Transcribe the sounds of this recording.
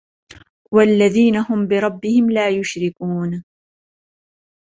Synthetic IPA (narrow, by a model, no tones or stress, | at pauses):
walːaðiːnahʊmbɪɾˤɑbːɪhɪmlaːjʊʃɾɪkuːn